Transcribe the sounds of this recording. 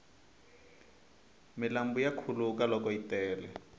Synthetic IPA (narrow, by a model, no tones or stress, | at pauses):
mɪlambujakʰulukalɔkɔitɛːlɛ